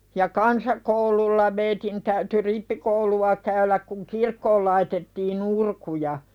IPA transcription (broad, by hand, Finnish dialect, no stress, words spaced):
jɑ kɑnsɑkoululːɑ meitin tæyty ripːikouluɑ kæylæk kuŋ kirkːoːl lɑitetːiːn urkujɑ